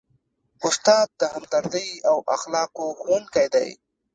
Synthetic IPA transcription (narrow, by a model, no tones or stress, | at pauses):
ʊst̪ɑːd̪̚ːəhamd̪aɾd̪əjawʔa̰xlɑːqoxonkajd̪a̰j